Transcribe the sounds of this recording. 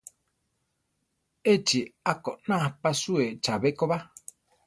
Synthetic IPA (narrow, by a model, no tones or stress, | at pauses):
et͡ʃiakoʔnãhpasuet͡ʃaβekoβa